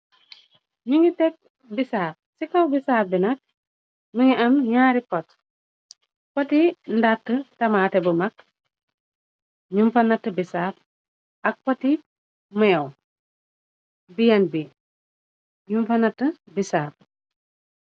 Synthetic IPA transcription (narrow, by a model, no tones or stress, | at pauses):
muŋɡitɛk̚ | bisaːp̚sikɐwbisaːbinɐk̚ | miŋiɐmɲaːɾikɔt | pɔtindatːətɐmaːtɛbəmɐk̚ | ɲumfɐnɐtːəbisaːp̚ | ɐk̚pɔti | mɛw | bijɐnbi | ɲumfɐnɐtːə | bisaːp̚